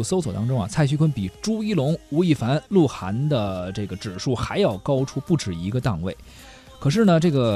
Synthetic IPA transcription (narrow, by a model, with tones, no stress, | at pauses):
o˧˩so˥ʊswɔ˨˩t̪ɑ˥ŋʈ͡ʂʊ˥ŋɐ̰˨t͡sʰa˥˩ɪt͡ɕʰy˥kʰwə˥npi˨˩ʈ͡ʂu˥i˥˩lʊ˧˥ŋu˧˥i˥˩fa˧˥nlu˥˩xa̰˧˥nd̪ə˧ʈ͡ʂɤ˥˩ɡə˩ʈ͡ʂɻ̩˨˩ʂu˥˩xa˧˥ɪjɑ˥˩ʊkɑ˥ʊʈ͡ʂʰu˥pu˥˩ʈ͡ʂɻ̩˨˩i˧˥ɡə˧t̪ɑ˥˧ŋwe˥˩ɪ | kʰɤ˨˩ʂ̬ɻ̩˥˩nə˩ʈ͡ʂɤ˥˩ɡə˩